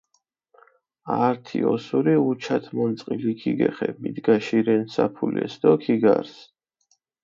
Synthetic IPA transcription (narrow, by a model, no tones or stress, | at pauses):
aɾt̪ʰiɔsuɾiut͡ʃʰat̪ʰmɔnt̪sʼqʼilikʰiɡɛχɛmid̪ɡaʃiɾɛnsapʰulɛ̰sd̪ɔkʰiɡa̰ɾs